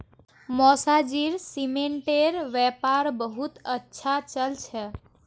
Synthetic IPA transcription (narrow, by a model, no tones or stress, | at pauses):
mɔsad͡ʒiɾsimeɳʈeɾʋepaɾbəɦut̪ətːʃʰat͡ʃəlt͡ʃʰɛ